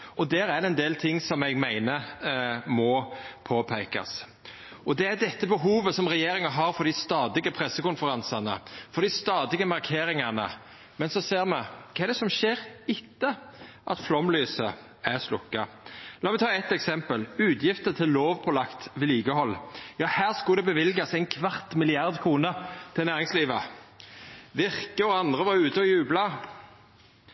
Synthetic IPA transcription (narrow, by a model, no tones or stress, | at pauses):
ɔd̪æːɾæɾɛnd̪eːlt̪ʰɪŋːsɔmɛɡmæɪnə | mɔpʰoːpʰæɪkɑ̰s | ʔɔd̪ɛæɾd̪ɛt̪ːəbəɦuːʋəsɔmɾɛjeːɾɪŋɑɦɑɾfɔɾd̪ɪst̪ɑːd̪ɪɡəpʰɾɛsːəkʊnfəɾɑnsɑnə̰fɔɾd̪ɪst̪ɑːd̪ɪɡəmɑɾkʰeːɾɪŋɑnə̰ | mɛnsɔseːɾmɛkʰɑːɛɖ̪ɛsɔmʃeːɾɪt̪ːəʔɑ̰t̪flɔmlyːsə | æʁslʊkːɑ | lɑːmɛt̪ʰɑːɛt̪ːɛksɛmpəlʉːt̪jɪft̪ət̪ʰɪlːoːʋpʰɔlɑkt̪ʋɪliːɡəhɔlːjɑːhæːʁskʉd̪ɛbəʋɪlɡɑsæɪnkʰʋɑʁt̪mɪlɪɑʁd̪kʰʁuːnət̪ʰɪlnæːʁɪŋsliːʋə | ʋɪʁkəɔɑnd̪ʁəʋɑʁʉːt̪əɔjʉːblɑ